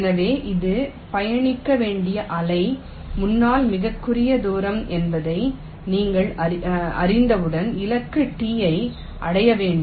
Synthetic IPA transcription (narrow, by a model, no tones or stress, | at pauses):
nɐʋeːʔɪðɯ | pɐjɐɳɪkːɐʋeːɳɖɪjɐʔɐlɐɪ | mʊnːaːlmɪɣɐkːɯɾɪjɐd̪uːɾɐmʔɛnbɐðɐɪ | niːŋɡɐɭɐɐ̰ɾɪnd̪ɐʋɯɽɐnɪlɐkːɯʈːiːjɐɪ | ʔɐɽɐjɐʋeːɳɖ